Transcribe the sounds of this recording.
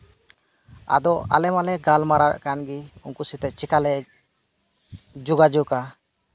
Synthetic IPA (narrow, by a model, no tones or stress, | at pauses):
a̰d̪ɔalɛmalɛɡalmaɾabɛ̰ʔkanɡiunkusit̪ɛʔ̚t͡ʃikalɛ | d͡ʒuɡad͡ʒuka